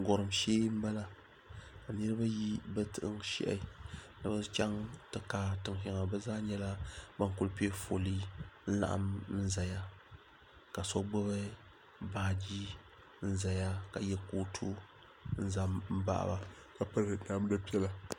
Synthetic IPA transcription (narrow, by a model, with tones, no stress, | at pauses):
ɡɔ˨ɾɨ˨mʃeː˦m̩˦ba˦la˦ | ka˨nɨ˦ɾɨ˦ba˦ji˦bɨ˦tɨ˨ʔɨ̰˦ŋʃḭ˦ʔa̰˨nɨ˨ba˦t͡ʃa˦ŋtɨ˨kaː˨tɨ˨ŋʃɪ˨ŋa˨bɛ˦zaː˦ɲɛ˦la˦ba˦ŋkʊ˦lpi˦e˦fo˨li˦n̩˦la̰˨ʔa̰˨mɨ˦za˨ja˦ | ka˨sɔ˦ɡ͡bɔ˦βɨ˦ | baː˦d͡ʒiː˦ | n̩˦za˨ja˦ka˨jɛ˦koː˨˦tʰu˦ | n̩˦za˦mm̩˦ba̰˦ʔa̰˦˨ba˨ | ka˨pa˦ɾnaː˨˦m˦da˦pi˦ɛ˦la˨